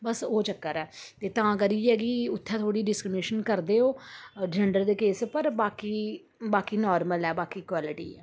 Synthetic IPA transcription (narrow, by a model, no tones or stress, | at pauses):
bəsoːt͡ʃəkːəɾɛːt̪eːt̪ãːkəɾiːɛːɡiʊt̪ʰːɛ̃ːt̪ʰoːɽiːɖɪskɾɪmɪneːʃənkəɾd̪eːoːd͡ʒɛɳɖəɾd̪eːkeːspəɾbaːkiː | baːkiːnɔːɾməlɛːbaːkiːkwaːlɪʈḭːɛː